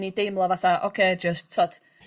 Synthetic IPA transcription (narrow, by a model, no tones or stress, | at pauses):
nidejmlˠɔvaθaʔo̰kʰeːd͡ʒəstʰɔd̥